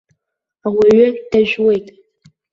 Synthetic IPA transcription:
awiɥʊd̥aʒᶣwe̞jtʼ

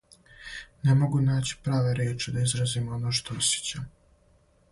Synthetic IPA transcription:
nemo̞ɡunaːt͡ɕi̥pɾaːʋeɾjeːt͡ʃed̪aizɾazimonoʃt̪o̞osjet͡ɕam

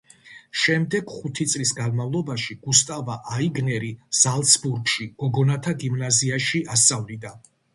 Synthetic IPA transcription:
ʃɛmd̪ɛɡ̥χut̪ʰit̪sʼlisɡanmavlˠɔbaʃiɡ̥ust̪ʼavaʔaiɡnɛɾiz̥alˠt̪sʰbuɾɡʃiɡ̥ɔɡɔnat̪ʰaɡimnaziaʃiʔast̪sʼavlid̪a

